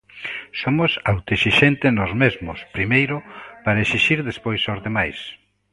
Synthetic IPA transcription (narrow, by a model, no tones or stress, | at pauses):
somʊsawt̪eʃiʃent̪enozmezmʊspɾimejɾʊpaɾɐeʃiʃiɾðespojsozðemajs